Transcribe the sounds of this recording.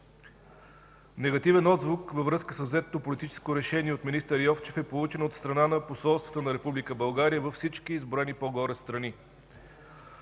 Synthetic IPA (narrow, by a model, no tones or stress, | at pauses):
nɛɡɐt̪ivɛnɔd̪zvukvəvɾɤskəsəvzɛt̪ːopolit̪it͡ʃɛ̥skoɾɛʃɛniɛot̪minist̪əɾjɔft͡ʃɛfɛpolˠut͡ʃɛnot̪st̪ɾɐnanɐposɔlˠst̪vɐt̪ənɐɾɛpublikəbɐlˠɡaɾijəvɐfsit͡ʃkiːzbɾoɛnipoɡɔɾɛst̪ɾɐni